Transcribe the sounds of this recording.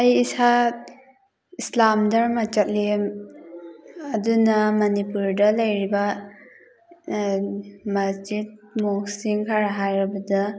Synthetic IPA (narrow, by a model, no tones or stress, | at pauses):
ɐjisa | islamdaɾmat͡ʃat̚lim | ɐdunɐmɐnipuɾdɐlɐjɾiba | mad͡ʒid̚moksiŋkʰaɾaɦajɾabɐda